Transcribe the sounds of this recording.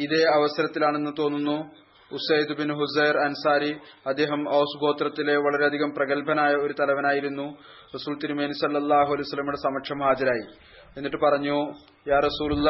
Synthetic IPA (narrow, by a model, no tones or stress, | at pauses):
iðe̞ɐʋɐsɐɾɐt̪ːilaːɳe̞nːɨt̪o̞ːnːunːu | usɐjd̪binɦusɐjrɐnusaːɾiɐd̪ːe̞ːɦɐmɐːsuɡo̞ːt̪rɐt̪ːileʋɐɭɐɾeɐd̪ʱiɣɐmprɐɣɐlpɐnaːjɐo̞ɾut̪ɐlɐʋɐnaːjiɾunːu | rɐsuːlt̪iɾimeːnusɐlːɐlˠːaːɦuɐlejusɐlːɐmuɽesɐmɐkʂʰɐmhaːd͡ʑɐɾaːji | e̞nːiʈːɨpɐrɐɲːu | jaːrɐsuːlulːa